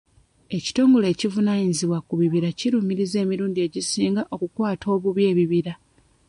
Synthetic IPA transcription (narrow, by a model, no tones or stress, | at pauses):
e̞ci̥to̞ːŋɡo̞le̞ːcivunaːɲiziβwakuβiβiɾaciɾuːmiɾize̞ːmiɾuːndie̞ɟisiːŋɡaʔo̞kukwaːtʰo̞ːβuβje̞ːβiβiɾa